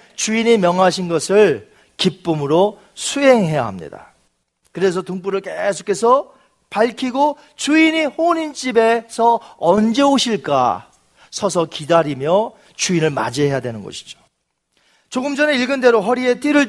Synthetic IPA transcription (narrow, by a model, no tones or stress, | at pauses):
t͡ɕuiɲimjʌŋɦaɕ̬ʰinɡʌsʰɯɭ | kip͈ɯmɯɾo | sʰuɦe̞ŋɦe̞ja̰ɦamɲḭda̰ | kɯɾe̞s̬ʰʌtuŋp͈uɾɯɭk͈esʰo̥kʰe̞sʰʌ | paɭkʰiɡo | t͡ɕuiɲihoɲint͡ɕ͈ibe̞sʰʌʌnd͡ʑe̞oɕʰiɭk͈a̰ | sʰʌsʰʌkidaɾimjʌ | t͡ɕuinɯɭma̰d͡ʑiɦejadwe̞nɯnɡʌ̰ɕʰi̥d͡ʑo̥ | t͡ɕoɡɯmd͡ʑʌne̞iɭɡɯnde̞ɾoɦʌɾie̞t͈iɾɯɭ